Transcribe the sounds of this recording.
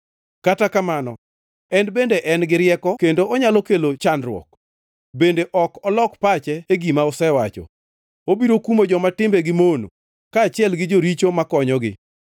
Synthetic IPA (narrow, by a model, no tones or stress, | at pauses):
katakamanɔ̰ | ɛnbendeʔɛnɡɪɾɪjɛkɔkendoɔɲalokelot͡ʃanɾwɔ̰k̚ | bendeʔɔkɔlɔkpat͡ʃɛeɡimaɔsɛwat͡ʃɔ̰ | obiɾokumod͡ʒɔmatɪmbeɡɪmono̰ | kaːt͡ʃɪɛlɡɪd͡ʒoɾit͡ʃomakɔɲɔɡɪ̰